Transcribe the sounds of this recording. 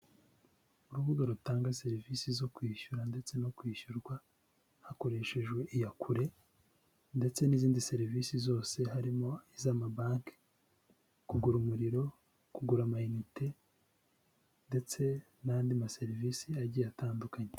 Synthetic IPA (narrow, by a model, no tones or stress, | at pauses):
uɾuβuɡaɾutaːŋɡase̞ɾivisizo̞kwiːʃuɾande̞t͡se̞no̞kwiːʃuɾɡwa | hako̞ɾe̞ʃe̞ʒwe̞ʔijakʰuɾe̞ | nde̞t͡se̞niːziːndise̞ɾivisizo̞ːse̞haɾimo̞izamabaːŋke̥ | kuɡuɾumuɾiɾo̞ | kuɡuɾamainite̞ | nde̞t͡se̞ | naːndimase̞ɾivisiaɟijataːndukaɲe